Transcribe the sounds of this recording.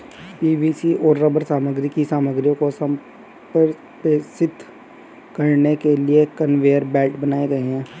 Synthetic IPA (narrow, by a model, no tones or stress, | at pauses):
piːbiːsiʔɔːɾɾəbəɾsaːməɡɾɪkisaːməɡɾɪjõkosəm | pəɾ | tesɪt̪ː | kɐɾnekeliekənʋeːəɾbɛːʈbənaːeɡɐeɦɛ̃ː